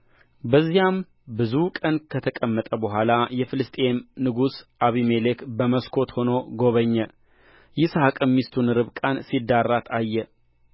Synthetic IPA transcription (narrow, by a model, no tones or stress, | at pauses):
bəzːijam | bɨzukʼənkʰət̪ʰəkʼəmːət̪ʼəbəɦʷalajɛfɨlɨst̪ʼennɨɡusʔaβimelekbəməskʰo̞t̪ho̞no̞ɡo̞βəɲːɛ | jɪshakʼəmːist̪ʰunɨɾɨβkʼansid̪ːarːat̪ʰajːɛ